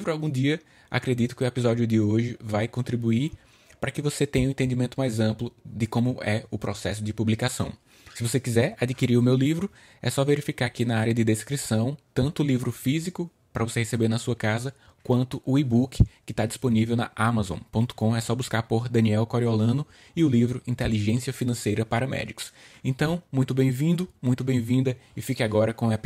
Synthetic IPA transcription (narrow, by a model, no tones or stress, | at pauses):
vɾʊawɡũd̪iɐ | a̰kɾed̪it̪ʊ̥kɪʊepizɔdjʊd̪ɪoʒɪvajkõt̪ɾibuiɾ | pɾɐkɪvoset̪ẽɲɐʊ̃ẽt̪ẽd̪imẽnt̪ʊmajzɐ̃mplʊd̪ɪkõmʊʔɛʊpɾɔsɛsʊd̪ɪpublikasɐ̰̃w̃ | sɪvosekizɛɾad̪ikiɾiɾʊmewlivɾʊ | ɛ̰sɔveɾifikaɾkɪnɐaɾiɐd̪ɪd̪eskɾisɐ̃w̃t̪ɐ̃nt̪ʊːlivɾʊfizikʊ | pɾɐvosehesebeɾnɐsuɐkazɐ | kwɐ̃nt̪ʊʔʊibukɪkɪt̪ad͡ʒisponivewnɐ̰ʔamazõ̰põnt̪ʊ̥kõɛsɔbuskaɾpoɾd̪ɐ̃niɛwkoɾiolɐ̃nʊ | ɪʊlivɾʊĩt̪eliʒẽsiɐfinɐ̃sejɾɐpaɾɐmɛ̰d̪ikʊ̥sẽnt̪ɐ̃w̃mũj̃t̪ʊbẽj̃vĩnd̪ʊmũj̃t̪ʊbẽj̃vĩnd̪ɐɪfikɪaɡɔɾɐkõɐp